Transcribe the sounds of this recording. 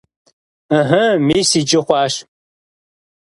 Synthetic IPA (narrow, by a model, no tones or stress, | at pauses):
əɦɐmeːsid͡ʒɪχʷɑːʃ